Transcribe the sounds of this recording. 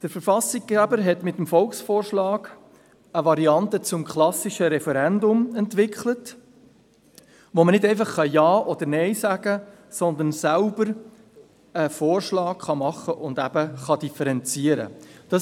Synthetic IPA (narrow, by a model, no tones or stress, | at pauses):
d̥əɾfəɾfɑsɪkɡæbəɾɦɛt̪mɪt̪ːmfɔlˠksfoːrʃlɑːɡ̥ | əʋɑɾiɑntət͡sʊmkχlɑsiʃəɾɛfɛɾɛndʊmɛntvɪkχlət | ʋomənɪdɛɪfɑχːɑjɑːʔɔd̥̪əɾnɛɪsæɡ̥ə | sɔnd̪ənsælbəɾ | əfoːrʃlɑːkχɑmɑχːəʔʊnd̪æb̥əχɑd̥̪ifəɾɛnt͡siəɾə̰d̥ɑ